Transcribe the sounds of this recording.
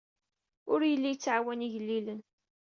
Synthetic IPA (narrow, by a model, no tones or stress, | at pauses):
ʊɾjəlːijt͡sːʕawæniʝəlːilən